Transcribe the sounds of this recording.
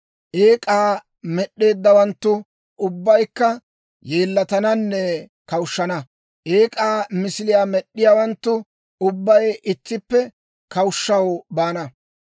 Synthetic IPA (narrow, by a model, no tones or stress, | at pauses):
ʔeːkʼaː | mɛɗːe̞ːd̪ːɐwɐnt̪ːʊ | ʊbːɐjkːɐ | je̞ːlːɐt̪ɐnɐnːɛ | kɐwʃːɐnɐ | ʔeːkʼaːmɪsɪlɪjaːmɛɗːɪjaːwɐnt̪ːʊ | ʊbːɐjɪt̪ːɪpːɛ | kɐwʊʃːɐwbaːnɐ